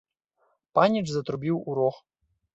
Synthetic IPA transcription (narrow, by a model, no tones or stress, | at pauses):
panʲit͡ʂzɐt̪ɾubʲiwuɾɔx